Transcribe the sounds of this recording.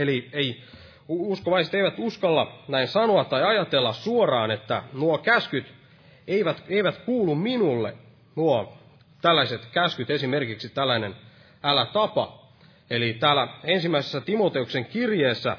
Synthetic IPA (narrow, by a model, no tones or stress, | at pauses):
eliei | uskoʋɑiset̪eiʋæt̪uskɑlːɑnæinsɑnoɑt̪ːɑjɑjɑt̪elːɑssuorɑːnet̪ːæ̰nuokæskyt̪ | eiʋæt̪eiʋæt̪kuːlumminulːḛ | nuo | t̪ælːæiset̪kæskyt̪esimerkiksit̪ælːæinen | ælæt̪ɑpɑ̰ | elit̪æːlæensimːæisesːæt̪imot̪eukseŋkirjeːsːæ̰